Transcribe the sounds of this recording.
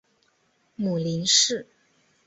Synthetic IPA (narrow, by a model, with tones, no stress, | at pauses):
mu˨˩li˧˥nʂɻ̩˥˩